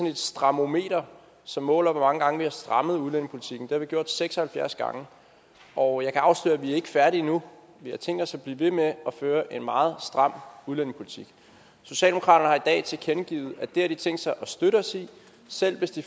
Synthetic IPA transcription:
sɒne̝d̥sd̥ʁɑ̈mo̝me̝̰ːɾɐ | sɒ̽mːɔ̰̽ːlɒʋɒmɑ̈ŋəɡ̥ɑ̈ŋəʋihɑ̈sd̥ʁɑ̈məð̞̩ˠuðˠlen̰ŋpʰo̝lit͡sʰiɡ̥n̩d̥e̝hɑ̈ʋiɡ̥jo̝ɐ̰d̥seɡ̥sɒhælfjæɐsɡ̥ɑ̰̈ŋə | ɒ̽jɑ̈ɪkʰæɑ̈ʊslø̰ːæʋiæɐe̝ɡ̥ə̥fæɐɾinu | ʋihɑ̈t͡sʰeŋ̰ɡ̥d̥ɒsæb̥liːʋe̝meɒ̽føːɐʔe̝nmɑ̈ːð̞̩ˠsd̥ʁɑ̈m̰uð̞ˠlen̰ŋpʰo̝lit͡sʰiɡ̥ | so̝ɕɛ̰ld̥eokʰɑ̰̈ːɾɐnəhɑ̈id̥ɛ̰ːt͡sʰe̝kʰenɡ̥ḭːð̩ˠæd̥e̝hæɐd̥it͡sʰeŋ̰d̥sɑ̈ɪʔɒ̽sd̥øɾəɒsi | sel̰ʋe̝sd̥i

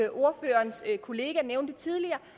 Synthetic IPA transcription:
ʔo̝ɐfø̰ːɐnskʰo̝le̝ːɡ̥æneʊnd̥ət͡sʰið̞ˠliɐː

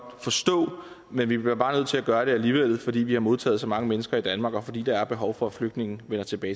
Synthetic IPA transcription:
fɒ̽sd̥ɔ̰̽ː | menʋib̥liɐb̥ɑ̈ːnøð̞̰ˠt͡sʰe̝læɡ̥ɶːɐɾ̥e̝æliːʋel̰ð̩ˠfɒ̽d̥ḭːʋihɑ̈mo̝ð̞ˠt͡sʰɛ̰ːð̩ˠsɒ̽mɑ̈ŋəmenəsɡ̥ɐid̥ænmɑ̈ɡ̥ɒ̽fɒ̽dḭːd̥ɑ̈æɐb̥e̝ɦɒʊfɒ̽æfløɡ̥d̥ne̝ŋn̩ʋenɐt͡sʰe̝b̥ɛː

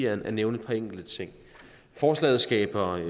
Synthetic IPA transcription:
ɐæɐneʊnəpʰɑeŋ̰ɡ̥l̩d̥ət͡sʰe̝ŋ̰ | fɒːslɛ̰ːð̩ˠsɡ̥ɛ̰ːb̥ɐ

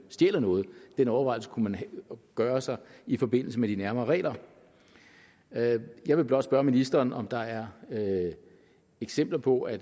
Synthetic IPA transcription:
sd̥ḛːlɐnɔ̽ːð̞̩ˠd̥enɒʊɐʋɑ̈ɪl̩sə̥kʰumænɡ̥ɶːɐsɑ̈ɪifɒ̽be̝n̰l̩səmed̥inæɐmɐːʁɛ̰ːlɐ | jɑ̈ɪʋe̝b̥lɒ̽d̥sb̥ɶɐminisd̥ɐːnɒ̽md̥ɑ̈æɐ | eɡ̥sem̰b̥lɐpʰɒ̽ʔæ̥

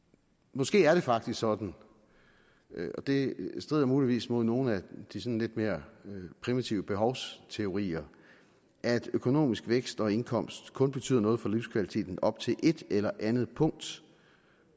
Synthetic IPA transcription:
mɒ̽sɡ̥e̝̰ːæɐɾ̥e̝fɑ̈ɡ̥̚d̥isɡ̥sɒ̽d̥n̩ | ɒ̽d̥e̝sd̥ʁḭð̰ˠɐmuːliʋḭːsmo̝ð̞̰ˠno̝ːn̩æd̥isɒ̽n̩le̝d̥me̝ːɐpʰʁimit͡sʰiʊəb̥e̝ɦɒʊst͡sʰe̝o̝ʁḭːɐ | ʔæd̥økʰo̝no̝̰ːmisɡ̥ʋeɡ̥sd̥ɒ̽e̝nkʰɒ̽m̰sd̥kʰɔ̽nb̥e̝t͡sʰy̰ð̰ˠɐnɔ̽ːð̩ˠfɒliʊskʰʋælit͡sʰe̝̰ːd̥n̩ɒ̽b̥̚t͡sʰe̝lʔe̝d̥elɐʔænð̩ˠpʰɔ̽ŋ̰d̥

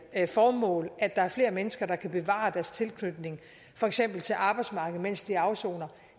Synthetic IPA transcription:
fɒːmɔ̰̽ːlʔæd̥ɑ̈æɐfle̝̰ːɐmenəsɡ̥ɐd̥ɑ̈kʰæb̥e̝ʋɑ̰̈d̥æɐst͡sʰe̝lkʰnød̥ne̝ŋ | fɒ̽eɡ̥sem̰b̥l̩t͡sʰe̝lʔɑ̈ːb̥ɑ̈ɪ̥smɑ̈ːɡ̥ð̞̩ˠmen̰sd̥iɑ̈ʊso̝̰ːnɐ

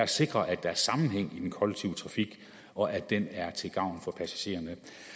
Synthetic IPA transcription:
æse̝ɡ̥ʁɐʔæd̥ɑ̈æɐsɑ̈mn̩ɦeŋ̰id̥enkʰɒ̽leɡ̥̚t͡sʰiʊət͡sʰʁɑ̈fiɡ̥ | ɒ̽ʔæd̥enæɐt͡sʰe̝ɡ̥ɑ̈ʊ̰nfɒ̽pʰæsæ̥ɕe̝̰ːɐnə

